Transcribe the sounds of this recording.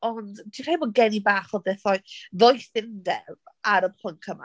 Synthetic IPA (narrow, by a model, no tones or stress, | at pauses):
ɔndtʰikʰraibɔd̚ɡɛnibaːχɔðɛθɔɨðɔjθɪndɛaɾəpʰlˠəŋkʰəma̰